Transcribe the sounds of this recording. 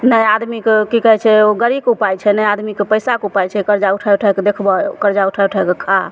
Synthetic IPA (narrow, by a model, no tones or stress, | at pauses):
nəjad̪mikekikəɦɛt͡ʃʰɛoɡəɾikupajt͡ʃʰɛnəjad̪mikepəjsakupajt͡ʃʰɛkəɾd͡ʒauʈʰauʈʰaɛked̪ekʰbɔkəɾd͡ʒauʈʰauʈʰaekekʰa